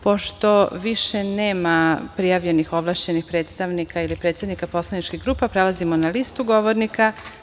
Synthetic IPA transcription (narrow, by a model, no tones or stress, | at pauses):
po̞ʃt̪o̞ʋiʃe̞ne̞ːmapɾijaʋʎe̞nixo̞ʋlˠaʃt͡ɕe̞nixpɾe̞ːt̪st̪aʋnikʰailipɾe̞t̪sad̪nikapo̞slˠanit͡ʃkiɣɡɾuːpapɾelˠazimonalist̪uɡo̞ʋoɾnika